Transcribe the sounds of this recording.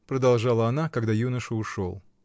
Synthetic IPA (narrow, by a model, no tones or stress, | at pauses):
pɾəd̪ɐlˠʐɑlˠəɐnakɐɡd̪ajunəʂɨʊʂo̰lˠ